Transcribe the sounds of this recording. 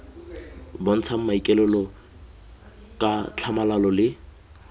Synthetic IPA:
bɔn̩t͡sʰam̩maikʼɛlɛlɔ | kʼat͡ɬʰamalalɔlɪ

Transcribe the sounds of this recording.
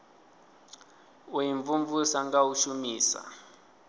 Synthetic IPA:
ujiɱvuɱvusaŋɡauʃumiːsa̰

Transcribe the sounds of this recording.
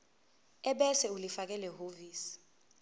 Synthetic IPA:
ɛɓɛsɛulifak̬ɛlɛhoviːsi̥

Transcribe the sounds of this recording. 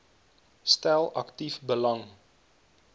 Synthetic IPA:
stælˠɐktifbəlɐŋ

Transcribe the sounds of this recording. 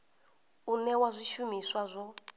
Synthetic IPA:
unɛwazʷiʃumiswazʷɔ

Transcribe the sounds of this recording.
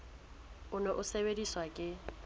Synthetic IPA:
ʊnɔʔʊsebediswakʼɪ

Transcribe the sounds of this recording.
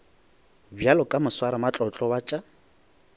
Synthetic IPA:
bjalɔkʼamʊswaɾamat͡ɬʼɔt͡ɬʼɔwat͡ʃʼa

